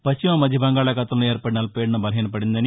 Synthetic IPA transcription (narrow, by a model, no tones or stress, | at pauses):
pɐst͡ʃimɐmɐd̪ʱjɐbɐŋɡaːɭɐkɐt̪ɐmloːeːɾpɐɽinaːlɐpeːɽnɐbɐlɐɦiːnɐpɐɽind̪ɐni